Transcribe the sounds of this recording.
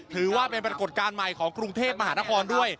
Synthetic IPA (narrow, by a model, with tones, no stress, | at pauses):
t̪ʰɯː˩˦waː˥˩pe˧npɾa˧ko˨˩t̪̚kaː˧nma˨˩jkʰɔː˩˦ŋkɾu˧ŋt̪ʰeː˥˩p̚ma˧haː˩˦na˦˥˩kʰɔː˧ndu˥˩əj